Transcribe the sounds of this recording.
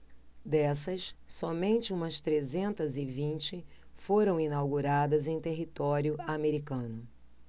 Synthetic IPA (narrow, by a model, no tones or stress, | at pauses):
d̪ɛsɐssɔmẽnt͡ʃɪũmɐst̪ɾezẽnt̪ɐzɪvĩnt͡ʃɪfoɾɐ̃w̃inawɡuɾad̪ɐzẽj̃t̪eɦit̪ɔɾjʊameɾikɐ̃nʊ